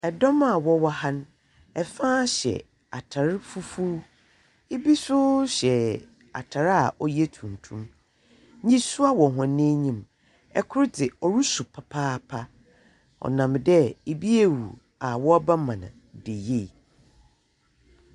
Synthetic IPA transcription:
ɛ˨dɔ̃˦ma˨wɔ˦wɔ˦ha˦n˦ | ɛ˨fãː˦ɕɛ̰˨ | a˨tʰa˨ɾɪ˦fu˦fuː˦ | e˦bi˦sʊ˦ɕɛ˨ | a̰˨tʰa˨ɾa̰˨ʔɔ˦jɛ˦tʰũ˨n˨tʰũ˦m | ɲĩ˦sʊ˦a˦wɔ˨ɦã˨nːẽ˦ɲĩ˨m | ɛ˦kʰʊ˦ɾdɪ˨ɔ˨ɾu˦su˨pʰa˨pʰaː˦pʰa˦ | ɔ̰˨nã˨mdɛ˦e˨bi˦e˨wṵ˨ | a˨wɔ˦a˦ba˦mã˨nã̰˨ | de˨je˦˨

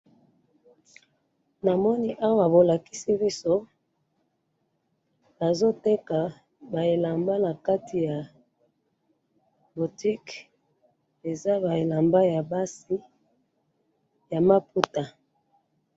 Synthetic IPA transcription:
na˨mɔ˦ni˦ʔa˦wa˨bo˨la˨ki̥˦si˦bi˦so˦ | ba˨zo˦te˦ka˨ | ba˨e˨la˨mba˦na˨ka˦tʰi˨ja˨ | bo˨ti˦k | e˨za˦ba˨e˨la˨mba˦ja˨ba˦si˦ | ja˨ma˦pu˦ta˨

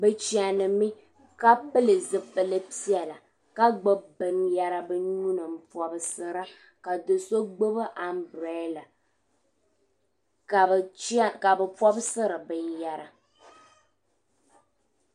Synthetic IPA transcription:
bɛ˨t͡ʃi˨a˨nɨ˨mi˦ | ka˦pɨ˦lɨ˨zɨ˨pɨ˨lɨ˦pi˦ɛ˨la˨ | ka˦ɡ͡bɨ˦bɨ˨nja˦ɾa˦bɨ˦ɲu˦nɨ˨m̩˦pɔ˨bɨ˨sɨ˦ɾa˦ | ka˨dɨ˨so˦ɡ͡bɨ˦bɨ˦ʔa˨mbɾɛ˦la˨ | ka˨˦ka˨bɛ˨pɔ˦bsɨ˦ɾɨ˨bɨ˨nja˦ɾa˨

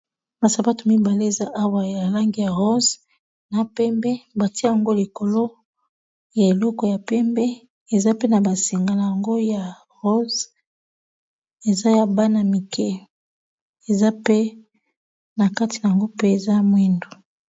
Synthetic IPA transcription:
ba˨sa˨ba˦tu˨mi˦ba˨le˦e˨za˦ʔa˦wa˨ja˨la˦ŋɡi˨ja˨ʁo˦z | na˨pɛ˦mbɛ˦ba˨ti˦a˦ja˨ŋɡo˦li˨ko˨lo˦ | ja˨e˨lɔ˦kɔ˨ja˨pɛ˦mbɛ˦ | e˨za˦pe˦na˨ba˨si˨ŋɡa˨na˨ja˨ŋɡo˦ja˨ | ʁo˦z | e˨za˦ja˦ba˦na˨mi˨kʰɛ˦ | e˨za˦pe˦ | na˨ka˦ti˨na˨ja˨ŋɡo˦pe˦e˨za˦mwi˦ndo˨

